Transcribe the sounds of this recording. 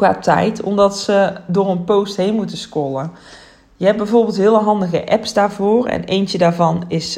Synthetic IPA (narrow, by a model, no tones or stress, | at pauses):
kʋaːtɛ̰jtʰɔ̰mdɑtsədoːɹənpowstɦejnmutəskolə | jəɦɛb̚bɛjvoːrbɪlˠtɦɪːələɦɑndəɣəʔɛpsdaːɹvoːrɛ̰nejncədaːɹvɑnɪs